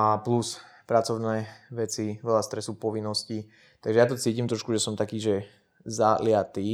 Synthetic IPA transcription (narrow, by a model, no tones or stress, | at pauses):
apluspɾat͡sɔʊnɛːʋɛt͡siʋɛlast̪ɾɛsupɔʋinːɔsci | t̪aɡʒɛjat̪ɔt͡siːcimt̪ɾɔʃkuʒɛsɔmt̪akiːʒɛ | zalɪat̪iː